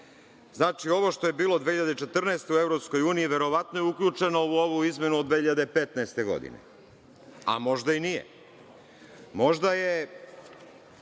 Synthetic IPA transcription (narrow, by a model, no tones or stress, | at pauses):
znaːt͡ʃio̞ʋoʃt̪o̞je̞biːlˠod̪ʋeçiʎad̪et͡ʃe̞t̪r̩nɛest̪e̞uevɾo̞psko̞juːniiʋe̞ɾo̞ʋat̪no̞jeukʎʲuːt͡ʂe̞no̞uoʋuizmʲje̞nuod̪ʋeːhiʎad̪e̞pet̪naest̪e̞ɡo̞̰d̪ḭnḛ | a̰mo̞ʒd̪ainijḛ | mo̞ʒd̪aje